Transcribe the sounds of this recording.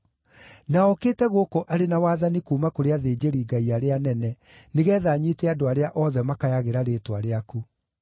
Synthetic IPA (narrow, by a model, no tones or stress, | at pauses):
naɔkeːtɛɣokoʔaɾenawaːðanikuːmakoɾeaðeːd͡ʒeɾiːɡaiaɾeanɛnɛ | neɣɛːðaːɲiteadoaɾeaʔɔðɛmakajaɣeɾaɾeːtwaɾeaku